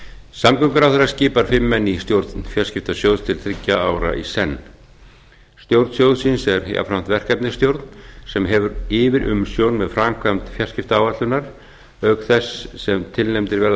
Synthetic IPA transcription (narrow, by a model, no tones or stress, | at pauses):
samkʏŋkʏɾawθɛɾːascɪːpaɾ̥fɪmːɛnːist̪jowɾt̪nfjar̥scɪft̪asjowðst̪ʰɪlθʰɾɪcːaaːwɾa̰ʔḭsɛnː | st̪jowɾt̪sjowðsinsɛɾa̰fɾam̥t̪vɛr̥kɛpnɪ̥st̪jowɾt̪nsɛmɦɛvʏɾɪːvɪɾʔʏ̰msjownmɛðfɾamkʰvamt̪fjarscɪft̪aaːwvat̪lʏnaɾ̥ | œkθɛsːɛmt̪ʰɪlnejmt̪ɪɾvɛɾ